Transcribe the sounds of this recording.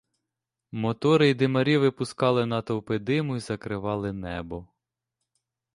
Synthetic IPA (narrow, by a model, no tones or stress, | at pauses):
mɔt̪ɔɾɪjd̪ɪmɐɾʲiʋɪpʊskɑlˠɪnɐt̪ɐwpɪd̪ɪmʊjizɐkɾɪʋɑlˠɪnɛbɔ